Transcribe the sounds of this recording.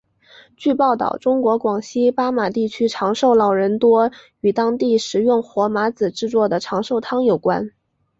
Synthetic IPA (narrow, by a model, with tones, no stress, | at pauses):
t͡ɕy˥˧pɑ˥˩ʊt̪ɑ̰˥˩ʊʈ͡ʂʊ˥ŋkwɔ˧˥kwɑ˨˩ŋɕi˥pa˥ma˨˩t̪i˥˩t͡ɕʰy˥ʈ͡ʂʰɑ˧˥ŋʂo˥˩ʊlɑ˨˩ʊɻə˧˥nt̪wɔ˥ | y˨˩t̪ɑ˥ŋt̪i˥˩ʂɻ̩˧˥jʊ˥˩ŋxwɔ˧˥ma˧˥t͡sɹ̩˨˩ʈ͡ʂɻ̩˥˧t͡swɔ˥˩d̪ə˩ʈ͡ʂʰɑ˧˥ŋʂo˥˩ʊt̪ʰɑ˥ŋjo˨˩ʊkwa̰˥n